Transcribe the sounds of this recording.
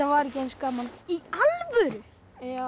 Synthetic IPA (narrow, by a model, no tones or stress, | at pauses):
avaɾɛcɪɛnskaːmanialvœɾʏ | a